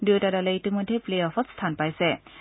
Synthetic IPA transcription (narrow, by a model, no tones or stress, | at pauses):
dutadaleitɯmudʱeplejɔpʰɔtstʰanpajse